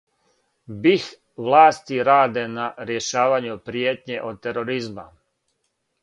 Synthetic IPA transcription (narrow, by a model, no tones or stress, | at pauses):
bix | ʋlˠaːst̪iɾaːd̪enaɾje̞ʃaːʋaɲupɾijeːt̪ɲeʔod̪̚t̪eɾoɾizma̰